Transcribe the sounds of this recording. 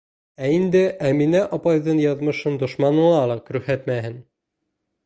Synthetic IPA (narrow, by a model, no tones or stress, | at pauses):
æind̪ɘʔæminæʔɒpɑjðɤɴjɑðmɤ̆ʃɤnd̪ŏʃmɑnɤ̆ɴɑlˠɑkʉhæt̪mæhɘn